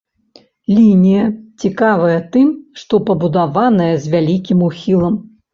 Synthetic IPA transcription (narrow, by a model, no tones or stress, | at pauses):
lʲinʲijɐt͡sʲikavɐjɐt̪ɨmʂt̪ɔpɐbud̪avanɐjɐzʲvʲalʲikʲimuxʲilˠɐm